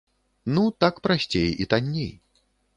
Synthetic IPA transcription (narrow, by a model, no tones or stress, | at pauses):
nut̪akpɾasʲt͡sʲejit̪anʲːḛj